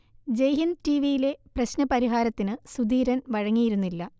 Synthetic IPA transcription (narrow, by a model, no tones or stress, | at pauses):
d͡ʑejɦintiʋijile̞prɐɕnɐpɐɾiɦaːɾɐt̪ːinɨsud̪iːɾɐnʋɐɻɐŋːijiɾunːilːɐ